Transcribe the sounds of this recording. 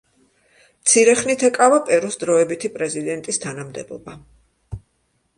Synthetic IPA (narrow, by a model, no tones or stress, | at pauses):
mt̪sʰiɾɛχnit̪ʰɛkʼavapʼɛɾɔsd̪ɾɔɛbit̪ʰipʼɾɛzid̪ɛnt̪ʼist̪ʰanamd̪ɛ̰bɔ̰ba